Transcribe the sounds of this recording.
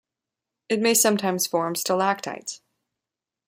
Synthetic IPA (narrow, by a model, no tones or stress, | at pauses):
ɨt̚meɪsʌ̃mtʰãɪ̃mz̥fɔɹmstɪlˠæk̚tʰa̰ɪts